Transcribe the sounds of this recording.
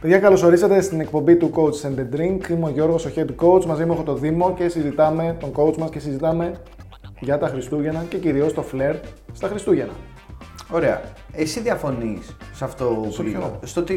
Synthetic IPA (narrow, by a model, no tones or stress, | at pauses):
pe̞ðʝɐkɐlo̞so̞ɾisɐt̪e̞st̪ine̞k̚po̞mbit̪uko̞ut͡ssend̪ed̪ɾiŋkimoʝo̞ɾɣo̞so̞çed̪ko̞ut͡smɐzimuexot̪o̞ðimo̞ce̞sizit̪ɐme̞t̪o̞ŋɡo̞ut͡smɐsce̞sizit̪ɐme̞ | ʝɐt̪ɐxɾist̪uʝe̞nɐce̞ciɾio̞st̪o̞fle̞ɾd̪st̪ɐxɾist̪uʝe̞nɐ̰ | o̞ɾeɐ̰ | esiðiɐfo̞nisːɐft̪ooost̪ot̪i